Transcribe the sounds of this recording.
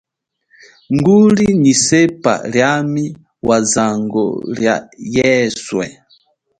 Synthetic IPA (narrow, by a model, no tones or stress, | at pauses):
ŋɡulinisɛpa̰ljami | wʔazaŋɡɔ̰lja̰jɛswɛ̰